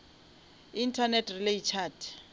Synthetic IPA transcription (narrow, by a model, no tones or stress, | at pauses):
intʰanɛtʰʼrileit͡ʃʰaːtʰ